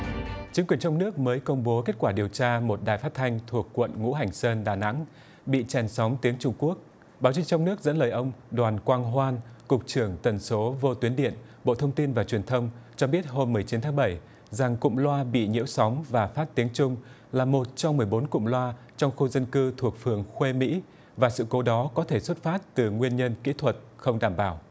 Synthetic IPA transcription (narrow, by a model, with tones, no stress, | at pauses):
t͡ɕï˨˦ŋkwi˨˩ənt͡ɕɔ˧wŋ͡mnɨ˦˥ək̚məː˨˦jkə˧wŋ͡mɓo˨˦ke˦˥t̚kwaː˧˩ɗi˨˩əwt͡ɕaː˧mo˨˩t̚ɗaː˨˩jfaː˦˥t̚t̪ʰa˧jŋ̟t̪ʰu˨˩ək̚ːwə̰˧˨nŋṵ˧˥ɦa˨˩jŋ̟səː˧nɗaː˨˩na̰˧˥ŋ | ɓḭ˧˨t͡ɕɛ˨˩nsɔ˨˦wŋ͡mt̪i˨˦əŋt͡ɕʊ˧ŋ͡mku˦˥ək̚ | ɓaː˨˦wt͡ɕï˧ŋt͡ɕɔ˧wŋ͡mnɨ˦˥ək̚zə̰˧˥nləː˨˩jʔə˧wŋ͡mɗwaː˨˩nkwaː˧ŋɦwaː˧nkʊ˨˩k͡p̚t͡ɕɨ˧˩əŋt̪ə˨˩nso˨˦vo˧t̪wi˨˦ənɗḭ˧˨ən | ɓo̰˧˨t̪ʰə˧wŋ͡mt̪i˧nvaː˨˩t͡ɕwi˨˩nt̪ʰə˧wŋ͡mt͡ɕɔ˧ɓi˦˥ət̚ɦo˧mːɨ˨˩əjt͡ɕi˨˦nt̪ʰaː˨˦ɓə˧˩j | za˨˩ŋkʊ̰˧˨ŋ͡mlwaː˧ɓḭ˧˨ɲḭ˧˥əwsɔ˨˦wŋ͡mvaː˨˩faː˦˥t̚t̪i˨˦əŋt͡ɕʊ˧ŋ͡m | laː˨˩mo˨˩t̚t͡ɕɔ˧wŋ͡mmɨ˨˩əjɓo˨˦nkʊ̰˧˨ŋ͡mlwaː˧ | t͡ɕɔ˧wŋ͡mxu˧zə˧nkɨ˧t̪ʰu˨˩ək̚fɨ˨˩əŋxwe˧mḭ˧˥ | vaː˨˩sɨ̰˧˨ko˨˦ɗɔ˨˦kɔ˨˦t̪ʰe˧˩swə˦˥t̚faː˦˥t̚t̪ɨ˨˩ŋwi˧ənɲə˧nkḭ˧˥t̪ʰwə˨˩t̚xə˧wŋ͡mɗaː˧˩mɓaː˧˩w